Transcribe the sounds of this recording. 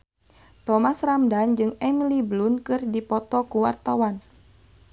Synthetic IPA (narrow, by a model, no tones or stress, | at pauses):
t̪ɔmasramdand͡ʒɨŋɛmiliblunkɨrdipɔt̪ɔkuwa̰rt̪awan